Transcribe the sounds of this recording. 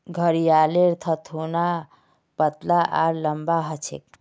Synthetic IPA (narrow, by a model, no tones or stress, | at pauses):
ɡʱəɾijaleɾt̪ʰət̪ʰuna | pət̪laʔa̰ɾləmbaɦət͡ʃʰḛk̚